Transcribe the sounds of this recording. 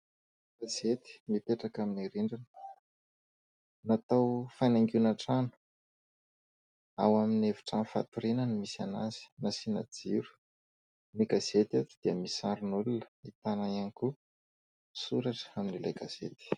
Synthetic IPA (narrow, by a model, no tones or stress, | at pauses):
ɡazet̪i̥mipeʈ͡ʂakaminiɾiɳɖ͡ʐina | nat̪awfanaŋɡunaʈ͡ʂanu̥ | a̰wamineviʈ͡ʂanfa̰t̪uɾinənimisana̰z̥i̥nasinad͡ziɾu̥ | miɡazet̪at̪ud̪̥iəmisaɾunulunə̥it̪anaiaŋku | suɾaʈ͡ʂə̥aminileɡazḛt̪i̥